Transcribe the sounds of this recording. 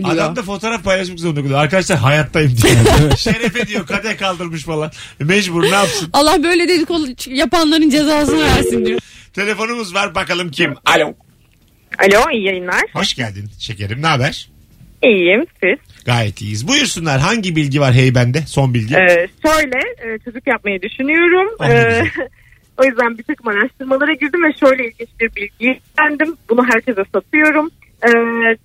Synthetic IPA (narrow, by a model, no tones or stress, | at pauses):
d̪ad̪amd̪afo̞t̪ʰoːɾafpʰajlˠaʃ̬makzounod̪ijaɾkad̪aʃlˠaɾɦajat̪lˠajɯmd̪iɛʃɾefed̪ijokʰad̪ɛkʰalˠd̪ɯɾmɯʃfalˠanmɛʒbuɾnaːpsɯnalˠːahbø̞jlʲed̪ed̪ikolˠt͡ʃjapanlˠaɾɯnd͡ʒe̞zaːsɯnaɡæɾsind̪ijot̪ʰe̞lʲe̞fo̞numuzvaɾbakalˠɯmcʰimalʲo | a̰lʲoijjajɯnlˠaɾ̥hoʃɟælʲd̪inʃe̞cʰeɾimnaːbæɾ̥ | iːjjimsiz̥ɡ̥aːjɛt̪ʰlʲḭːjizbujyɾsynlʲæɾɦaɲɟibilʲɟivaɾɦejbænd̪ɛso̞nbilʲɟiɛʃø̞jlʲɛɛːt͡ʃʰo̞d͡ʒukjap̚majad̪yʃynyjo̞ɾumɯː | o̞jyzd̪ænbit̪ʰakɯmaɾaʃt̪ʰɯɾmalˠaɾaɟiɾd̪imvɛʃø̞jlʲɛilʲɟint͡ʃbiɾbilʲɟij | ænd̪imbunuɦæɾcʰe̞zɛsat̪ʰɯjo̞ɾum | ɛː